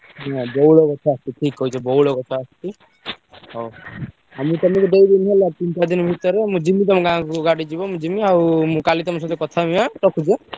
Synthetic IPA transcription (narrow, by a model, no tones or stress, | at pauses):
ɦãbɔuloɡɔt͡ʃʰɔast̪iʈʰikɦɔit͡ʃʰɔbɔuɭokɔt͡ʃʰɔːst̪i | ɦo | amit̪ɔmikud̪ejd̪inɦelat̪int͡ʃad̪inbʱit̪ɔɾemũd͡ʒimːit̪̬ɔmɔ̃kaãkuɡaɽid͡ʒibɔmũd͡ʒimiaumũkalit̪ɔmɔs̬ɔt̪ʰekɔt̪ʰamiãʈɔkʰud͡ʒe